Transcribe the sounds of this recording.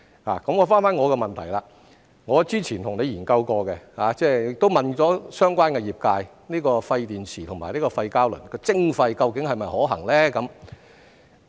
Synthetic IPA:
la̰ː˨˩kɐ˨˥mŋɔː˨˧faː˥nfaː˥nŋɔː˨˧kɛ˧mɐ˨nt̪ʰɐ˨˩jlaː˧ | ŋɔː˨˧t͡siː˥t͡sʰiː˨˩nt̪ʰʊ˨˩ŋne˨˧jiː˨˩nkɐ˧wkɔː˧kɛ˧haː˨˧t͡sɛː˥˩ɪ˨kt̪o˥wmɐ˨nt͡sɔː˨˥sœː˥ŋkʷwaː˥nkɛ˧jiː˨p̚kaː˧j | niː˥kɔː˧fɐ˧jt̪iː˨nsʰiː˨t̪ʰʊ˨˩ŋmaː˨˩jniː˥kɔː˧fɐ˧jkaː˥wlɵ̰˨˩nkɔː˧t͡sɪ˥ŋfɐ˧jkɐ˧wkɪ˨˥ŋhɐ˨jmɐ˨jhɔː˨˥ɦɐ̰˨˩ŋlɛː˥kɐ˨˥m

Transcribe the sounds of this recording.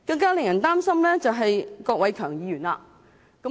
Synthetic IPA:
kɐ˧ŋkaː˥lɪ˨ŋjɐ˨˩nt̪aː˥msɐ˥mlɛː˥t͡sɐ˨wɦɐ˨jkɔː˧k̚wɐ˨˥jkʰœː˨˩ŋjiː˨˧jyː˨˩nlaː˧ | kɐ˨˥

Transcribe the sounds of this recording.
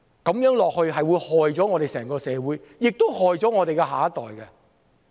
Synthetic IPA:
kɐ˨˥mjœː˨˥ŋlɔː˨k̚hɵ˧ɥɦɐ˨jwuː˨˧jhɔː˨jt͡sɔː˨˥ŋɔː˨˧ɾe˨jsɛː˨˩ŋkɔː˧sɛː˨˧wuː˨˥jjɪ˨k̚t̪o˥whɔː˨jt͡sɔː˨˥ŋɔː˨˧ɾe˨jkɛ˧ɦaː˨˥ɐ˥t̪ɔː˨jkɛ˧

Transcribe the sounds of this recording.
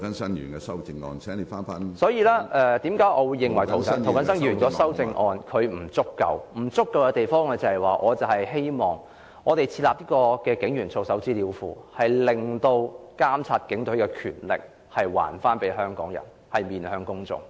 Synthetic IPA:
kɐ˨˦nsɐ˥njy̰ː˨˩nkɛ˧sɐ˥wt͡sɪ˧ŋɔ̰ː˧nsʰɛː˨˥ŋli˨˧faː˥nfaː˥nsɔː˨˥jiː˧laː˥ʔɛ˧t̪iː˨˥mkaː˨˥jʔɔː˨˧wuː˨˧jːɪ˨ŋwɐ˨˩jt̪ʰwkɐ˨˥nt̪ʰwkɐ˨˥sɐ˥ŋjyː˨˩nkɔː˨˥sɐ˥wt͡sɪ˧ŋʔɔː˧nkʰɵ˨˧ɥm̩˨˩t͡sʊ˥kːɐ̰˨˧wm̩˨˩t͡sʊ˥kːɐ˧wkɛ˧t̪e˨jfɔː˥ŋlɛː˧t͡sɐ˨˩hɐ˨˩jwaː˨ʔɔː˨˧t͡sɐ˨˩hɐ˨jɦe˥jmɔː˨˩ŋ | ŋɔː˨˧t̪e˨jt͡sʰiː˧laː˨p̚niː˥kɔː˧kɛː˧kɪ˨˥ŋjyː˨˩nt͡so˧wsɐ˨˥wt͡siː˥liː˨˧wfṵː˨˩hɐ˨jlɪ˨˩ŋt̪o˧wkaː˥mt͡sʰaː˧t̚kɪ˨˥ŋt̪ɵ˨˥ɥkɛː˧kʰy̰ː˨˩nlɪ̰˨k̚ | hɐ˨jwa̰ː˨˩nfaː˥npe˨˥jɦœː˥ŋkɔ̰ː˨˥ŋjɐ̰˨˩n | hɐ˨jmiː˨nhœː˧ŋkʊ˥ŋt͡sʊ̰˨ŋ

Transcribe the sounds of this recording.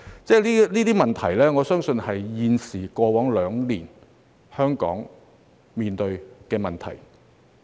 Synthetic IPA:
t͡sɛː˥˩liː˥liː˥t̪iː˥mɐ˨nt̪ʰɐ˨˩jlɛː˥ŋɔː˨˧sœː˥ŋsɵ˧nhɐ˨jːiː˨nsiː˨˩kɔː˧wɔː˨˥ŋlœː˨˧ŋliː˨˩n | hœː˥ŋkɔ̰ː˨˥ŋ | miː˨nt̪ɵ˧ɥkɛː˧mɐ˨nt̪ʰɐ̰˨˩j

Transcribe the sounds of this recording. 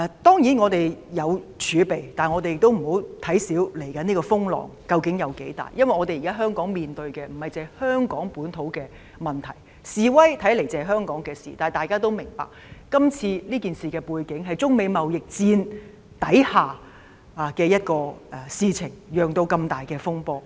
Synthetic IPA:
ɛ˨˩t̪ɔː˥ŋjiː˨˥nŋɔː˨˧t̪e˨jjɐ˨˧wt͡ʃʰyː˨˧pe˨jt̪aː˨nŋɔ˨˧t̪e˨jɪ˨k̚t̪o˥wm̩˨˩ho˨˥wt̪ʰɐ˨˥jsiː˨˥wle˨˩jkɐ˨˥niː˥kɔː˧fʊ˥ŋlɔ̰ː˨˩ŋkɐ˧wkɪ˨˥ŋjɐ˨˧wke˨˥jt̪a̰ː˨˩jːɐ˥nwɐ˨jŋɔː˨˧te˨jkaː˥ɦœː˥ŋkɔː˨˥ŋmiː˨nt̪ɵ˧ɥkɛː˧m̩˨˩hɐ˨jt͡sɛː˨˧hœː˥ŋkɔː˨˥ŋpuː˨˥nt̪ʰo˨˥wkɛː˧ | mɐ˨nt̪ʰɐ˨˩j | siː˨wɐ˥jt̪ʰɐ˨˥jle˨˩jt͡sɛː˨ɦœː˥ŋkɔː˨˥ŋkɛː˧sḭː˨t̪aː˨jt̪aː˨jkaː˥t̪o˥wmɪ˨˩ŋpa̰ː˨k̚kɐ˥mt͡sʰiː˧liː˥kiː˨nsiː˨kɛː˧puː˧jkɪ˨˥ŋɦɐ˨jt͡sʊ˥ŋme˨˧jmɐ˨wjɪ˨k̚t͡siː˧n | t̪ɐ˨˥jhaː˨ | aː˨kɛː˧jɐ˥t̚kɔː˧ɛ˨siː˧t͡sʰɪ˨˩ŋjœː˨ŋt̪o˧wkɐ˧mt̪aː˨jkɛː˧fʊ˥ŋpɔː˧

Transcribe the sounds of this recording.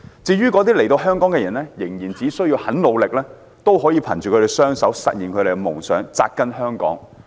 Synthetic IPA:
t͡siː˧ɥyː˥kɔː˨˧t̪̬iː˥le˨˩jt̪o˧wɦœː˥ŋkɔː˨˥ŋkɛː˧jɐ˨˩nlɛː˥jɪ˨˩ŋjiː˨˩nt͡siː˨˥sɵ˥ɥjiː˧whɐ˨˥nlo˨˧wlɪ˨k̚lɛː˥ | t̪o˥wɦɔː˨˥jiː˨˧pʰɐ̰˨˩nt͡ʃyː˨kʰɵ˧te˨˩sœː˥ŋsɐ˨˥wsɐ̰˨t̚ji˨˩nkʰɵ˨˧ɾe˨˩ɡɛ˧mʊ˨˩ŋsœ̰ː˨˥ŋt͡sa̰ː˧k̚kːɐ˥nɦœː˥ŋkɔ̰ː˨˥ŋ

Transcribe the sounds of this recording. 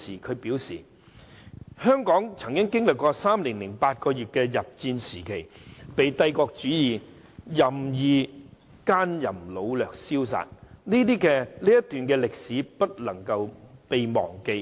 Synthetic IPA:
siː˨˩kʰɵ˨˧ɥpiː˨˥wsiː˨˩ | hœː˥ŋkɔː˨˥ŋt͡sʰɐ˨˩ŋkɪ˥ŋkɪ˥ŋlɪ˨kːɔː˧saː˥mliː˨˩ŋlɪ˨˩ŋpaː˧t̚kɔː˧jyː˨t̚kɛː˧jɐ˨p̚t͡siː˧nsiː˨˩kʰe˨˩jpe˨jt̪ɐ˧jkɔː˧k̚t͡ʃyː˨˥jiː˨ | jɐ˨mjiː˧ | kaː˥njɐ˨˩mlo˨˧wlœː˨k̚siː˥ws̬a̰ː˨t̚niː˥t̪iː˥kɛː˧liː˥jɐ˥t̪yː˨nkɛː˧lɪ˨k̚siː˨˥pɐ˥t̚lɐ˨˩ŋkɐ˧wpe˨jmɔ̰ː˨˩ŋke˧j

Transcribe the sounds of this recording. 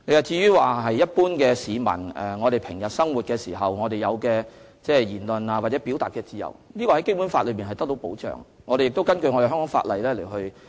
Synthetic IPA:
ne˨˧jɐ˨˩t͡siː˧ɥyː˥waː˨ɦɐ˨jjɐ˥t̚puː˥nkɛː˧siː˨˧mɐ̰˨˩nɛ̰˨ŋɔː˨˧ɾe˨jpʰɪ˨˩ŋjɐ˨t̚sɐ˥ŋwu˨t̚kɛː˧siː˨˩ɦɐ˨wŋɔː˨˧ɾe˨jɐ˨˧wkɛː˧ | t͡sɛː˥jiː˨˩nlɵ˨naː˧waː˨t̚t͡sɛ˨˦˥pi˨˥wt̪aː˨t̚kɛ˧t͡siː˧jɐ̰˨˩wni˥kɔː˧hɐ˨˦jke˥jpu˨˥nfaː˧t̚lɥpiː˨nhɐ˨jt̪ɐ˥k̚t̪o˨˥wpo̰˨˥wt͡ʃœ̰ː˨ŋ | ŋɔː˧ɾe˨jɪ˨k̚t̪o˥wkɐ˥nkɵ˧ɥŋɔ˨˧dɦœ˥ŋkɔː˨˥ŋfa̰˧t̚lɐ˨jlɛː˥le˨˩jɦɵ˧ɥ

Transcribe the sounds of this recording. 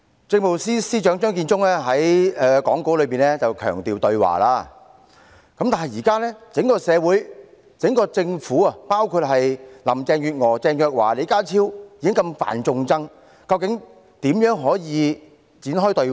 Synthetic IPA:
t͡sɪ˧ŋmo˨wsiː˥siː˥t͡ʃœː˨˥ŋt͡ʃœː˥ŋk̬iː˧nt͡sʊ˥ŋɛː˥ɦɐ˨˥jɛː˨kɔː˨˥ŋko˨˥wlɵ˨˧ɥpiː˨˩nɛː˥t͡sɐ˨wkʰœ̰ː˨˩ŋt̪iː˨˩wt̪ɵ˧ɥwa̰ː˨˩laː˧ | kɐ˦˥mt̪aː˨nɦɐ˨jiː˨˩kaː˥lɛː˥t͡sɪ˨˥ŋkɔː˧sɛː˨˧wuː˨˥j | t͡sɪ˨˥ŋkɔː˧t͡sɪ˧ŋfuː˨˥ɐ˨paː˥wkʰuː˧t̚ɦɐ˨jlɐ˨˩mt͡sɛː˧ŋjyː˨t̚ŋɔː˨˩t͡sɛː˧ŋjœː˧k̚wa̰ː˨˩le˨˧kaː˥t͡sʰiː˥wjiː˧kɪ˥ŋkɐ˧mfa̰ː˨nt͡sʊ˧ŋt͡sɐ˥ŋ | kɐ˧wkɪ˨˥ŋ | t̪iː˨˥mjœː˨˥ŋɦɔː˨˥jiː˨˧ | t͡siː˨˥nɦɔː˥jt̪ɵ˧

